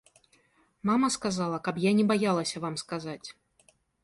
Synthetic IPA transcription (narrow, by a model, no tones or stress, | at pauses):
mamɐskazalˠɐkɐpjanʲɛbajalˠɐsʲɐvamskazat͡sʲ